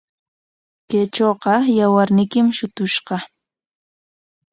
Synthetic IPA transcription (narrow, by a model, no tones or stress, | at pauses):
kajt͡ʃoːqɑjawaɾnɪkɪmʃʊt̪ʊʃɢɑ